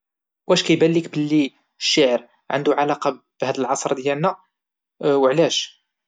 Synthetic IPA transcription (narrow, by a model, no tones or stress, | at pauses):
wʔæʃkæjbælːikbəlːi | ʃːaʕəɾ | ʕə̰nd̪uʕalɑqɑ | b̥hæd̪əlʕɑsˤɾˤd̪jælnæ | wəʕlæʃ